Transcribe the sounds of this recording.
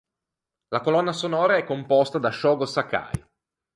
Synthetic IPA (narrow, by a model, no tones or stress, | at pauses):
lakolɔnːasonɔːɾaɛkːompɔst̪ad̪aʃɔːɡosaka̰j